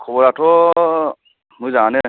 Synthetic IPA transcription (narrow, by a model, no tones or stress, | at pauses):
kʰɔbɔɾatʰɔ | mujzanɛ